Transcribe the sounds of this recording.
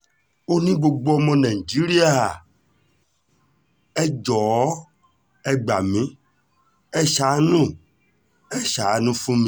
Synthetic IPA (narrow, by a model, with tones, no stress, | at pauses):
o˦nĩ˦ɡ͡bo˧ɡ͡bo˦ɔ˧mɔ̃˧nã˨i˨d͡ʒi˨˦ɾi˦a˦ɦa˨ | ɛ˦d͡ʒɔ˨˦ | ɛ˦ɡ͡ba˨mĩ˨˦ | ɛ˦ʃa˨˦nũ˦˨ | ɛ˦ʃa˨˦nũ˦fũ˦mĩ˨˦